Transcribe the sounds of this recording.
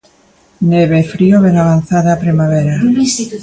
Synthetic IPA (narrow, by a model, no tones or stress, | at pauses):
neβefɾioβenaβan̟θaðaːpɾimaβeɾas